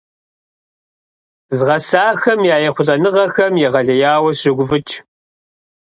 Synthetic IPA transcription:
zʁɐsaːxɐmjaːjɛχʷʊɮʼɐnɨʁɐxɐmjɛʁɐɮɐjaːwɐɕɪɡʷʊvɨt͡ʃʰʼ

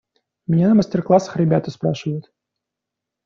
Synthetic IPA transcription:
mʲɪnʲanəməsʲtʲɪrklˠasə̥xɾʲɪbʲæt̪əspɾa̰ʂɨvəjʊt̪

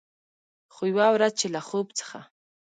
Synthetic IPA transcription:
χʊjwawɾat͡ʃɪlaχʊpt͡sḁχa̰

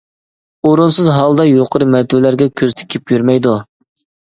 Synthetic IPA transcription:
oɾunsɨzɦɑlˠd̪ɑjoqʰəɾɨmæɾt̪ʰɪvɪlæɾɡʲɛkʲʰøzt̪ʰɪ̥kʲʰipjyɾmɛjd̪u

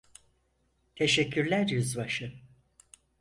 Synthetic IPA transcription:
t̪ʰeʃɛcʰːyɾlʲæɾjuzβaʃɯ

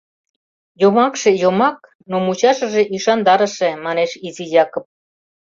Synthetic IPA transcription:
jomɑkʃejomɑk̚ | nomut͡ɕɑʃə̆ʒeʔiʃɑnd̪ɑɾə̆ʃemɑneʃizijɑkop̚

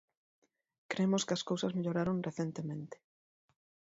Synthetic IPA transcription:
kɾemʊskɪɐskowsɐzmeʎoɾaɾoŋreθent̪emẽnt̪ɪ̥

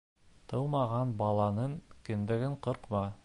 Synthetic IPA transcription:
t̪ʰɤwmɑʁɑnbɑlˠɑnɤɴkɘ̆nd̪ɘ̆ɡɘɴqɤ̆ɾqmɑ

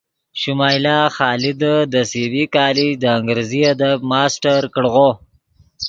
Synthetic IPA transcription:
ʃumɑːjlɑːxɑːlɪd̪əd̪əsewikɑːlid̪əaŋɡɾeziad̪abmɑːsʈaɾkəɽɣo

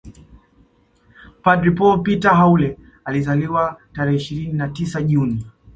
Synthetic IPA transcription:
padɾipɔpitaɦaulɛ | alizaliwataɾɛhɛiʃiɾininatisaʄuni

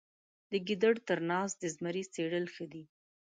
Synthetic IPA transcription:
d̪əɡid̪əɽt̪əɾnɑs̚d̪əzmaɾit͡seɽəlxəd̪i

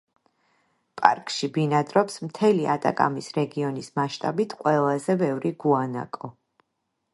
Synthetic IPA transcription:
pʼa̰ɾkʼʃibinad̪ɾɔpsmt̪ʰɛliʔa̰t̪ʼa̰kʼa̰misɾɛɡiɔnismaʃt̪ʼabit̪ʰqʼwɛlˠazɛbɛvɾiɡuana̰kʼɔ

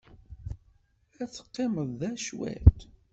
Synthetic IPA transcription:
æt͡sːə̥qːɪməðˤːæʃwæ̰t̪

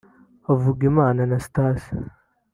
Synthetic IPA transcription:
avuɡimananastaːs

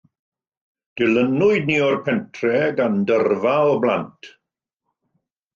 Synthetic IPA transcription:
d̥ɪlənʊɨd̚niɔrpʰɛntʰrɛɡandərvaɔbla̰ntʰ

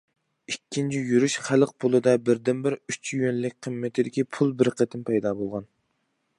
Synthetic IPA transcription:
ikʲʰːint͡ʃʰijyɾyʃχæləq̚pʰolˠɨd̪ɑbɪɾd̪ɪnbɪɾyt͡ʃʰjønlɪk̚ʲqʰəmːɪt̪ʰɪd̪ɪkʲipʰulˠbɪɾqʰət̪ʰɪnpʰɛjd̪ɑbolˠʁɑn

